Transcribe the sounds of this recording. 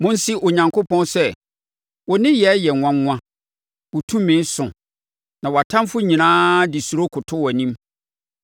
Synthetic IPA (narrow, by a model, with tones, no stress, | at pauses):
mʊ̃˦n˦si˦ʔɔ˨ɲã˨ŋkʰʊ˦pʰɔ̃˦nsɛ˦ | wɔ˨nɪ̃˦jɛ˨˦jɛ˨ŋʷã˦ŋŋʷã˦ | wɔ˨tʰũ˦m˦mɪ̃˨˦n˦sʊ̰̃˨ | nã˨wɔ˨a˨tʰã˦mfʊ˦ɲĩ˨nãː˦dɪ˨su˨ɾo˦kʰʊ˨tʰʊ˦wnĩ˦m